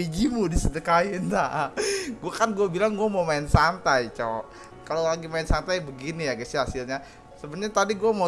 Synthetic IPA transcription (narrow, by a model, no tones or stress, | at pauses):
id͡ʒimudisədəkajindaʔɡuakanɡuɛbilaŋɡuɛmamaɪnsant̪ajt͡ʃɔ | kalolaɡimaɪnsant̪ajbəɡinijaɡasiɦasɪlɲa | səbət̪ɲat̪adiɡuɛma